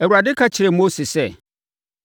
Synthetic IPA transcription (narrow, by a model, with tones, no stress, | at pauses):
ɛ˨u˨a˨dɪ˦kʰa˦t͡ɕʰɪ˨ɾɛ˨mo˦sɪ˨sɛ˦˨